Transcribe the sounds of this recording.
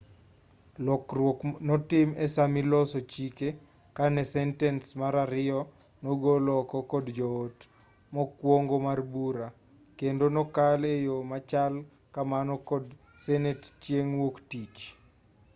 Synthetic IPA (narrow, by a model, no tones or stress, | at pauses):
lɔkwoknɔtɪmesamɪlɔsɔt͡ʃike | kanɛsɛntɛnsmaɾaɾɪɔnɔɡolɔkɔkɔdd͡ʒɔot | mɔkwoŋɡomarbuɾa | kendonɔkalejomat͡ʃal | kamanɔkɔd | sɛnett͡ʃjeŋwoktit͡ʃ